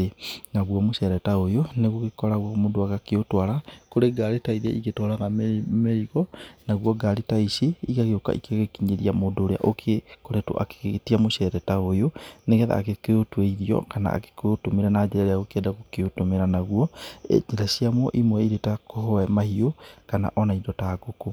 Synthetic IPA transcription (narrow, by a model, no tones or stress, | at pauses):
enaɣwɔmoʃɛɾɛtaojoneɣuokekɔɾaɣwɔmodoaɣakeotwaɾakoɾeɡaɾetaiða̰ʔiɣetwaɾaɣammeɾiɣɔnaɣuɔɡalitaisiikaɣeoka̰ʔikeɣekiɲeɾiamodoɾea̰ʔokʰekoɾeto̰ʔa̰ke̥tiamoʃɛɾɛtaojoneɣɛða̰ːkekeotweiɾiɔ̰kana̰a̰ke̥keotomeɾanad͡ʒeɾaɾeaɣokeɛdaɣokeotomeɾanaɣuɔḛd͡ʒeɾasiamwɔʔimwɛiɾetakohɔɛmahiokana̰ʔɔnaidɔtaɡoko